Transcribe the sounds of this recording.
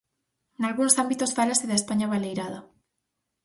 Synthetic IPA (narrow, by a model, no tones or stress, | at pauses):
nalɣunsambit̪osfalasiðaespaɲaβalejɾaðo